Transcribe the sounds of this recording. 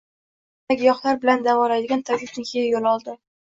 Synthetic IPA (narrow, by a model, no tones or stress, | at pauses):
akʲjɒχlˠaɾbɪland̪avɒlajd̪ɪɡʲant̪ʰaɡʲɪp̚nɪŋkʰɪjajolˠɒlˠd̪ɪ